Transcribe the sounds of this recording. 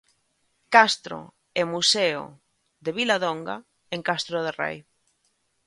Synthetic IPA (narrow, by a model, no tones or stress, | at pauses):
kast̪ɾo̰ | emuseo̰ | ðeβilaðoŋɡa̰ | eŋkast̪ɾoð̞erḛj